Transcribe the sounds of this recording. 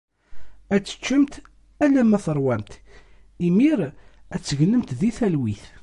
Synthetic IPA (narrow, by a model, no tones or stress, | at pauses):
æt͡sːə̥t͡ʃːəmt̪ | ælæmæθəɾˤwæmt̪ | imiɾæt͡sːəʝəlːəmt̪ðiθælwiθ